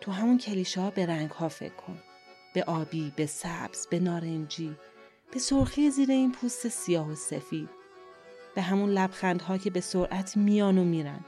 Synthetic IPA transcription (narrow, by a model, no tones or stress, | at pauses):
t̪ʰuɦæmuncʰeliːʃɒːbe̞ɾæŋɡhɒːfe̞̰kʰːo̞̰n | b̥e̞ʔɒːbiːbe̞sæb̥z̥b̥e̞nɒːɾend͡ʒiː | b̥e̞soɾxijziːɾe̞iːnpʰuːst̪e̞sijɒːhosefiːd̪̥̚ | b̥eɦæmunlæbxænd̪ɦɒːcʰe̞be̞soɾʔæt̪ʰmijɒːnomiːɾæ̰n